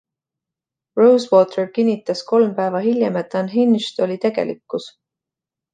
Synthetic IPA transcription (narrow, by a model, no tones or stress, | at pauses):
rowswo̞ːt̪ʰerkinʲːit̪ːˑɑsko̞lmpæːvɑɦilʲjemet̪ːˑɑnɦinʃt̪o̞lʲit̪e̞ɡ̥e̞̰lḭkːˑus